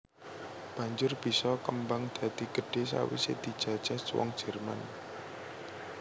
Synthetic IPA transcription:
b̥ä̤ɲd͡ʒʊrb̥isɔkəmbaŋd̪̥a̤d̪̥i̤ɡ̥ə̤ɖ̥e̤sa̰wḭsed̪̥i̤̥ʒ̥ä̤d̥ʒ̥a̤swɔ̰ŋd̥ʒ̥ɛ̤rma̰n

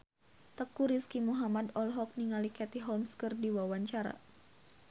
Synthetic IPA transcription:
t̪əkuɾiskimuɦamadɔlɦɔk̚niŋalikɛt̪iɦɔlmskərdiwawaɲt͡ʃaɾa̰

